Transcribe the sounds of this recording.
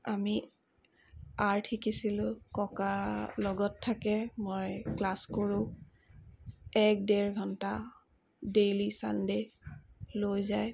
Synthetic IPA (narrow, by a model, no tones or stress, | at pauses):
ami | aɹtʰikisilʊkɔkalɔɡɔtʰːakɛmojklaskoɹʊ̃ | ɛk̚dɛɹɡʱɔnta | dejlisa̰nde | lojzaj